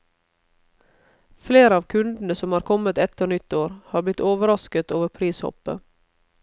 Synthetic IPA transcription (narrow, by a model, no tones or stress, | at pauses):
fleːɾəɑːʋkʰʉnd̪n̩əsɔmhɑːɾkʰɔmət̪ɛt̪ʰəɳʏt̪ːoːɾhɑːblɪt̪oːʋəɾɑskət̪oːʋəɾpʰɾiːshɔ̰pə̰